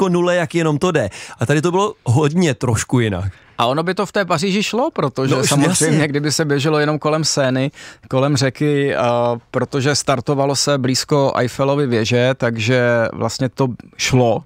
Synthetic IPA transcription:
konulɛjakjɛno̞mt̪odɛʔat̪adɪt̪̬obɪlo̞ɦodɲɛt̪ɾoʃkujɪna̰k | ʔaʔo̞no̞bɪt̪oft̪ɛːpariʒɪʃlo̞pɾot̪oʒɛsamorɛjmɲɛɡdɪbɪsɛbjɛʒɛlojɛno̞mko̞lɛmsɛːnɪko̞lɛmr̝ɛkɪ | pɾot̪o̞ʒɛst̪aɾt̪ovalosɛbliːskoʔa̰jfɛlo̞vɪvjɛʒɛt̪aɡʒɛvlʔa̰st̪ɲɛt̪oʃlo

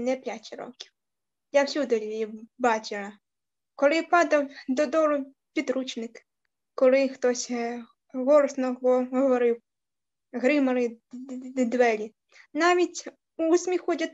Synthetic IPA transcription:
nɛpʲjʲat̪ʲiɾɔ̰kʲiw | jawsʲud̪ʊlʲiʋʲiwbɑt͡ʃʲɪlɐ | kɔlˠɪpɑd̪ɐwd̪ɔd̪ɔlˠʊ | pʲid̪ɾut͡ʃnɪk | kɔlˠɪxt̪ɔsʲ | ɦɔɾɔsnɔɔɦɔʋɔɾɪw | ɦɾɪmɐɾɪ | d̪ʋɛlʲi | nɑʋʲitʲ | usʲmʲixɔdʲɐt̪

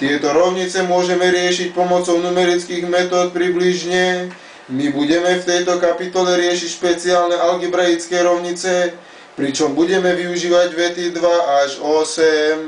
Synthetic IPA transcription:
t̪ɪɛt̪ɔɾɔʊɲit͡sɛmʊɔʒɛmɛɾɪɛʃic̚pɔmɔt͡sɔʊnumɛɾit͡skiːɣmɛt̪ɔːt̪̚pɾibliʒɲɛ | mibuɟɛmɛft̪ɛjt̪ɔkapit̪ɔlɛɾɪɛʃicʃpɛt͡siaːlnɛʔalɡibɾɛjit͡skɛːɾɔʊɲit͡sɛ | pɾit͡ʃɔmbuɟɛmɛʋiuʒiːʋaɟʋɛt̪id̪ʋaaʒɔsɛm

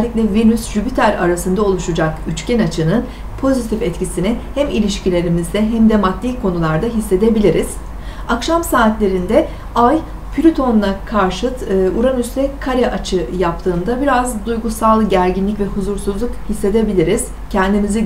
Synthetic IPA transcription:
lːʲiclʲɛvinysʒypit̪ʰæɾa̰ɾasɯnd̪ao̞lˠuʃud͡ʒakyt͡ʃcɛnat͡ʃʰɯnɯn | pʰo̞zit̪ʰifɛt̪cisinɪhæmilʲiʃcilʲe̞ɾimizd̪ɛɦæmd̪ɛmat̪lʲiːkʰo̞nulˠaɾd̪aɦisːe̞d̪e̞bilʲiɾiz̥ | akʃamsaːt̪lʲe̞ɾind̪ɛ | aj | pʰylʲyt̪ʰo̞nlˠakʰaɾʃɯt̪ʰːʔuɾanysɛkʰaɾɛʔat͡ʃʰɯjap̚t̪ʰɯːnd̪abiɾazd̪ujɡusalˠɟæɾɟinlʲicvɛhuzuɾsuzlˠukhisːe̞d̪e̞bilʲiɾiz̥ | cʰɛnd̪imizi

